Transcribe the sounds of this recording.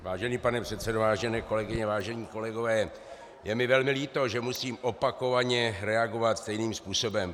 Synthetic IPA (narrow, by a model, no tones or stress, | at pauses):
vaːʒɛniːpanɛpr̥ɛt̪sɛdovaːʒɛnɛːko̞lɛɡɪɲɛvaːʒɛɲiːko̞lɛɡo̞vɛː | jɛmɪvɛlmɪliːt̪o̞ʒɛmusiːmʔo̞pako̞vaɲɛɾɛaɡo̞vat̪st̪ɛjniːmspuːso̞bɛm